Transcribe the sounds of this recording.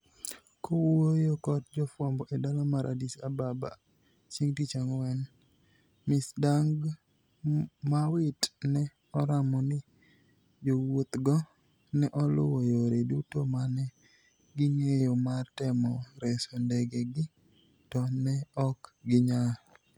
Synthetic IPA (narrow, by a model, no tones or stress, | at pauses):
kowojokɔt̚d͡ʒɔfwɔmbɔʔedalɔmaɾʔa̰disababa̰ | t͡ʃiŋtit͡ʃaŋwɛn | mɪsdaŋɡ | mawɪtnɛ | ɔɾamɔnɪ | d͡ʒowot̪ɡɔ | nɛʔɔlʊ̰wojoɾedutomanɛ | ɡɪŋejomatɛmɔɾɛsondɛɡɛɡɪ | tɔnɛɔkɡɪɲa